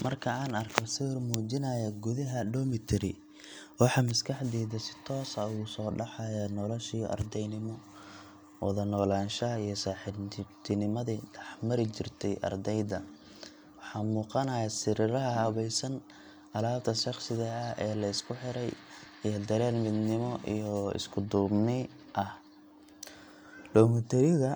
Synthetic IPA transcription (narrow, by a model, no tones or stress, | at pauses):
mɐrkʰɐaːnɐrkʰɔsɪrmuːt͡ʃɪnɐjɐɡʊðɐɦɐɖɔmɪt̪ʰɪɾɪ | wɑħɑmɐskʰɑħd̪iːðɐsɪ̥t̪ʰɔːsɐusɔːɖɑħɑjanɔlɔʃiːʔɐ̰rd̪ɛjnɪmɔ | wɑ̰ðɐnɔːlaːnʃɐɐijɞsaːħɪt̪ʰɪnɪmɐðiːɖɑħmɐɾɪt͡ʃɪrt̪ʰɛjʔɐ̰rd̪ɛjd̪ɐ | wɑħɑːmuːqɑnɐjasɪɾɪɾɐɦɐɦɐβɛjsɐn | ʔɐlaːb̚t̪ʰɐsɑqsɪðɐɐhɛːlɐɪskʰʊħɪɾɛj | ijd̪ɐɾɛːlmɪd̪nɪmɔʔḭjɔɪ̰skʰʊd̪uːbnɪ | ʔɐh | lɔːŋʊt̪ʰɛɾɪɣɐ